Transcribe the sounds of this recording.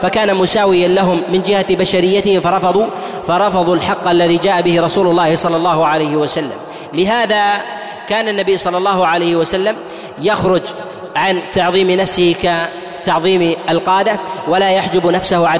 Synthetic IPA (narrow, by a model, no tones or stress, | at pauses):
fakaːnamʊsaːwɪjanlaɦʊmːɪnd͡ʒɪhabaʃaɾɪjːat̪ɪhɪfɑɾˤɑfɑðˤu | fɑɾˤɑfɑðˤulħɑqːʔalːaðiːd͡ʒaːʔabɪhɪɾˤɑsuːlʊlːɑːhɪsˤɑlːɑlˤːɑːhʊʕalajhɪwasalːa̰m | lɪɦaːða | kaːnanːabijːsˤɑlːɑlːɑːɦʊʕalajhɪwasalːam | jaxɾʊd͡ʒ | ʕant̪ɑʕðˤiːmɪnafsɪhɪka | t̪ɑʕðˤiːmʔalqɑːd̪awalaːjaħd͡ʒabnafsahʊʕa